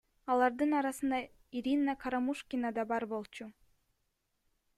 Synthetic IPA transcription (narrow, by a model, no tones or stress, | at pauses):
ɑlˠɑɾd̪ɯnɑɾɑsɯnd̪ɑ | iɾʲinːakʰaɾamuʃkʲinad̪ɑbɑɾbo̞lˠt͡ʃu